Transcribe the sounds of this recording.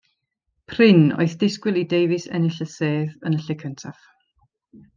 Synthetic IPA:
pʰrɪno̰ɨθd̥ɪskwɪlˠidejvɪsɛ̰nɪɬəseːðənəɬɛkʰəntʰaf

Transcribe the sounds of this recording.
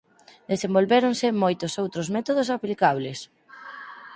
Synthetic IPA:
d̪esembolβɛɾonsemojt̪osowt̪ɾozmɛt̪oðos̬aplikaβ̞les

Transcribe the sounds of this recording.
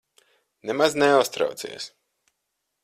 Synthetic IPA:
nɛmaznɛʊst̪ɾa̰wt̪sḭɛs

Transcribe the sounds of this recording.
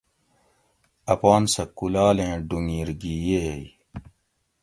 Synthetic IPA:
ɐpaːnsɐkulaːlẽːɖuŋiːɾɡijej

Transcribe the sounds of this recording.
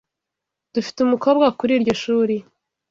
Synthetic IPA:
d̥ufi̥teumuko̞ːbɡakuɾiɾɟo̞ʃuːɾi

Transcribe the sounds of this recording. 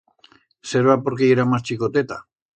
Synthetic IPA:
seɾβapoɾkeiɾamast͡ʃikot̪et̪a

